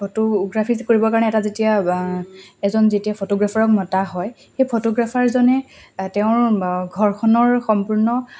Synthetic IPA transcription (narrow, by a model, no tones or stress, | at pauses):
pʰotoɡɹapʰizkoɹibɔkaɹɔnɛɛtazetija | ɛzɔnzetiapʰotoɡɹapʰaɹɔk̚mɔtaɦɔj | xejpʰotoɡɹapʰaɹzɔnɛ | tɛʊ̃ɹɡʱɔɹkʰɔnɔɹxɔmpuɹnɔ